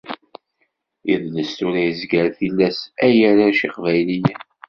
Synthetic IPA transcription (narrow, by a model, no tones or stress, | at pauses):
jiðləst̪ʊɾæjəzɡəɾθilːæsæjæɾaʃiqvæjlij